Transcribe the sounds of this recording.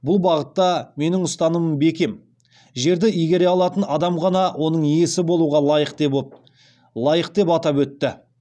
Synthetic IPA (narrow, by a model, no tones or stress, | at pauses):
bʊlˠbɑʁət̪ːɑme̞nɪŋʊst̪ɑnəməmbe̞kʲe̞m | ʒe̞ɾd̪ɪijɡʲe̞ɾe̞ɑlˠɑt̪ənɑd̪ɑmʁɑnɑwʔo̞nəɴije̞sɪbo̞lˠuʁɑlˠɑjəqt̪e̞pp | lˠɑjəqtd̪e̞pɑt̪ɑpwɵt̪ːɪ